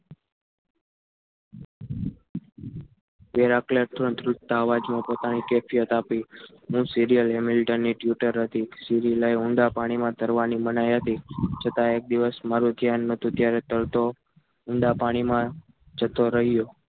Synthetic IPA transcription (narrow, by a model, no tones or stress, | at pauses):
ʋeɾakleʈ̪ɾə̃t̪ɾʊtt̪aːʋad͡ʒmãpot̪anikɛfijət̪api | ɦũsiɾijəlɦɛmɪlʈənːiʈjuʈəɾɦət̪isiɾiləjʊ̃ɳɖapaɽ̃imãt̪əɾʋanimənajɦət̪it͡ʃʰət̪aek̚d̪iʋəsmaɾud̪ʱjanːət̪ũt̪jaɾɛt̪əɭt̪o | ʊɳɖapaɽ̃imã | d͡ʒət̪oɾəɦijo